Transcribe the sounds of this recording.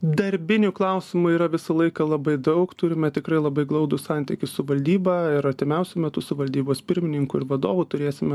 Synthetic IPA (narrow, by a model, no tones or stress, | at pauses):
d̪ɐɾʲbʲɪnʲʊklˠɐʊsʲɪmʊiːɾɐʋʲɪsɐlˠɐɪkɐlˠɐbɐɪd̪ɐʊkt̪ʊɾʲɪmʲɛt̪ʲɪkɾɐɪlˠɐbɐɪɡlˠɐʊd̪ʊsɑnʲt̪ʲɪkʲʊssʊʋɐlʲd̪ʲiːbɑːɪɾɐɾt̪ʲɪmʲɛʊsʲʊmʲɛt̪ʊsʊʋɐlʲd̪ʲiːboːspʲɪɾʲmʲɪnʲɪŋkʊɪɾʋɐd̪oːʋʊt̪ʊɾʲeːsʲɪmʲɛ